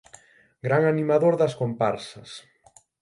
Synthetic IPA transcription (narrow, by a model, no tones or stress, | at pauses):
ɡɾaŋanimaðoɾðɐskompaɾsɐs